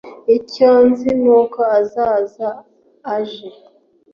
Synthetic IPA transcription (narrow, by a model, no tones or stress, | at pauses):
icanzinokaazaːzaː | ʒe